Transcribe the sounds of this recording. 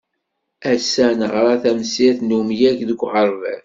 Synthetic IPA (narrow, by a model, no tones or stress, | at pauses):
æsænəʁɾˤɑθæmsɪθnumjækðəɡʷʁəɾˤvæ̰n